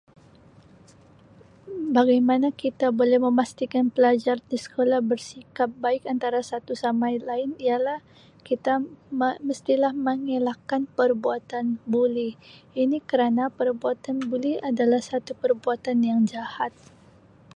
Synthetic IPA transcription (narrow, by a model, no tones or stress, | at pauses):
baɡajmanakit̪abolɛhməmast̪ikanpəlad͡ʒardisə̥kolahbərsikap̚baɪkant̪aɾasat̪usamajlaɪnialah | kit̪amməst̪ilahməŋelakanpərbuat̪anbuliinikəɾanapərbuat̪anbuliadalahsat̪upərbuat̪anjaŋd͡ʒahat̪̚